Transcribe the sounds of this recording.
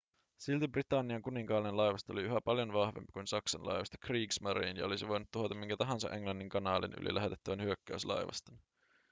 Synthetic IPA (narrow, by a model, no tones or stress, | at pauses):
silt̪ibrit̪ɑnːiɑŋkuniŋkɑːlinenlɑjʋɑst̪ɑoliyɦæpɑljo̞nʋɑhʋe̞̰mpi̥kunsɑksɑnlɑ̰jʋɑst̪ɑ̥kriːksmɑɾiːnjɑ̰o̞lisiʋo̞jnut̪ːuɦot̪ɑmiŋkæt̪ɑɦɑnsɑ̰ʔe̞ŋlɑnːiŋkɑnɑːlḭny̰lḭlʔæɦt̪et̪ːæʋænhyøkːæyslɑ̰jʋɑ̰st̪ɑn